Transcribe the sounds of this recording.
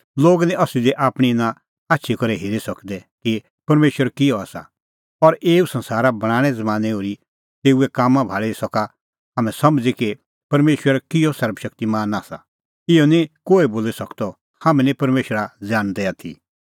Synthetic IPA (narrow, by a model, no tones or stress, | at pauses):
loːɡnĩʔɐsid̪iʔaːpɽ̃inã | aːtːʃʰikɔɾɛɦeːɾisɐkd̪ɛki | pɐɾmeːʃwəɾkɪjɔaːsa̰ | ɔɾʔeːusɐ̃nsaːɾabɐɽ̃aːɽ̃ɛ̃d͡zɐmãːnɛoːɾi | t̪eːuɛkaːmãbʱaːɭesɔka | ɦaːmɛ̃sɐmd͡ziki | pɐɾmeːʃwəɾkɪjɔsɐɾbʃɐk̚t̪imaːnaːsa̰ | ɪjɔnĩkoːeboːlisɐkt̪ɔ | haːmɛ̃nĩpɐɾmeːʃɾad͡zaːɽ̃d̪ɛat̪ʰḭ